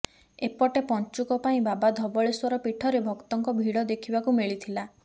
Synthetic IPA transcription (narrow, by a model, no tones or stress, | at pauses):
epɔʈepɔnt͡ʃukɔpaĩbabad̪ʱɔbɔɭiswɔɾɔpiʈʰɔɾebʱɔkt̪ɔŋkɔbʱiɽɔd̪ekʰibakumiɭit̪ʰila